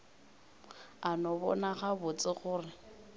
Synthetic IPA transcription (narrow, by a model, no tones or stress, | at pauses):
anɔbɔ̰naχabʊt͡sʼɪχʊːrɪ